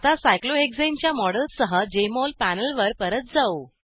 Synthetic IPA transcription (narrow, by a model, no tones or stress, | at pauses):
t̪asajkloekd͡zẽmt͡ɕjamɔɽəlsəɦəd͡ʑemolpænəlʋəɾpəɾət̪̚d͡zao